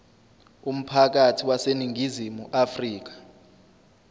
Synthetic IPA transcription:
um̩pʰak̬atʰiwaseniŋʱizimuʔafriːk̬ḁ

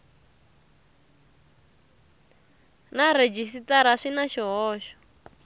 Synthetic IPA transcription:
naɾed͡ʒisitaɾ̤aʂinaʃiɦɔːʃɔ̥

